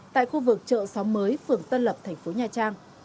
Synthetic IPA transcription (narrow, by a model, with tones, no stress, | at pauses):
t̪a̰ː˧˨jxu˧vɨ˨˩k̚t͡ɕə̰ː˧˨sɔ˨˦ŋ͡mməː˨˦jfɨ˨˩əŋt̪ə˧nlə˨˩p̚t̪ʰɛ˨˩ŋ̟fo˨˦ɲaː˨˩t͡ɕaː˧ŋ